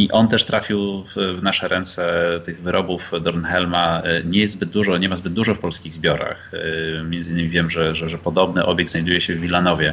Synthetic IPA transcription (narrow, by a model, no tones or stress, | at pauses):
iʔɔnt̪ɛʂt̪ɾafʲiwvnaʂɛɾʔɛnt̪sɛt̪ɘɣvɘɾɔbufd̪ɔɾnxɛlmaɲɛjɛst̪zbɘd̪̚d̪uʐɔɲɛmazbɘd̪̚d̪uʐɔfpɔlskʲiɣzbʲjɔɾa̰xmʲjɛndzɘinːɘmʲivʲjɛmʐɛʐɛʐɛpɔd̪ɔbnɘʔɔbʲjɛɡ̪zajd̪ujɛɕɛvːʲilːanɔvʲjɛ